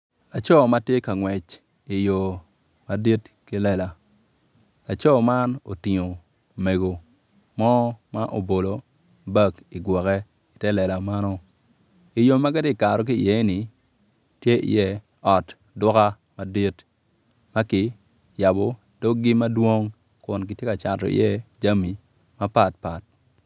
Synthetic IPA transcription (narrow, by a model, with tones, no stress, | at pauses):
a˨t͡ʃo˦˨ma˦tje˦ka˨ŋwɛ˨t͡ʃ | i˨jo˨ | ma˦di˦tki˦lɛ˦˨la˨ | a˨t͡ʃo˦ma˦no̰˨ti˨ŋo˨ | me˨ɡo˨ | mɔ˦ma˦ʔo˨bo˨lo˨ | bɐ˦ki˨ɡwɔ˨kɛ˦ | i˨tɛ˦lɛ˨la˨ma˦nɔ˦ | i˨jo˨mːa˦ka˦ti˦˨ka˨ɾɔ˨k̬i˦˨jɛ˨˦ni˨ | tje˦ʔḭ˨jɛ˦ | ɔ˨t | dʊ˦ka˦ | ma˦di˦t | ma˦kɪ˨ | ja˨bo˨ | do˦ɡi˦ma˦dwo˦ŋ | kʊ˨nki˨tje˦ka˨t͡ʃa˨tɔ̰˨ḭ˨jɛ˦d͡ʒa˦mi˨ | ma˦pa˨t̚pa˨t̚